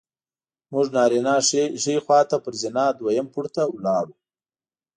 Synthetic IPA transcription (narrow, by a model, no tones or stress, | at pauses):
mʊʐnɑːɾinɑʂixwɑt̪apəɾzɪnɑːd̪wajampʊɽt̪awlɑːɾu